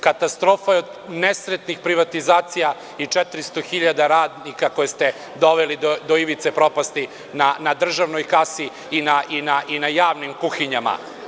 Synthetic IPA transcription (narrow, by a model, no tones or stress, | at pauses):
kat̪ast̪ɾo̞ːfajeo̞d̪ | nesɾet̪nixpɾiʋat̪izaːt̪sija | it͡ʂɛt̪ɾist̪oxiʎad̪aɾaːd̪nikakojest̪e | d̪o̞ʋelid̪od̪oiʋit̪sepɾo̞past̪i | nanad̪r̩ʒaʋnojkasiː | naʔinaʔinajaːʋnimkuxiɲama̰